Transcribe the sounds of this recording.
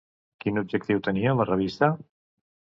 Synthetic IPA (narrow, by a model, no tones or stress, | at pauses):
kinub̚ʒək̚t̪iwt̪əniələrəβ̞ist̪ə